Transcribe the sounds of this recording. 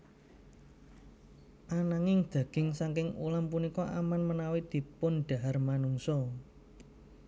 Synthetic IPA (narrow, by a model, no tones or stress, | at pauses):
ʔanaŋɪŋd̪̥ä̤ɡ̥ɪ̤ŋsaŋkɪŋṵlampunikɔʔamanmənawid̪̥i̤pʊnɖ̥a̤ɦarmanuŋsɔ